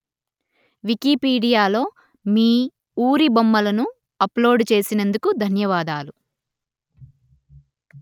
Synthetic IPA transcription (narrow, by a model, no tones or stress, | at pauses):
ʋikipiːɖijaːlo̞ː | miː | uːɾibomːɐlɐnu | ɐplo̞ːɖt͡ʃe̞ːsinend̪ukud̪ʱɐnjɐʋaːd̪aːlu